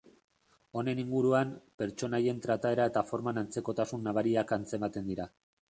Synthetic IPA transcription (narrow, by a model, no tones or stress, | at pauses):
o̞ne̞niŋɡuɾuampe̞ɾt͡ʃo̞naje̞nt̪ɾat̪ae̞ɾae̞t̪afo̞ɾmanant͡se̞ko̞t̪asunːaβaɾiakant͡se̞mat̪e̞nd̪iɾa